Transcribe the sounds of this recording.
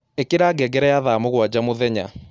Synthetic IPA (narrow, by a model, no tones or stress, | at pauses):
ekeɾaːɡɛɡɛɾɛjaðamoɣwad͡ʑamoðɛɲa̰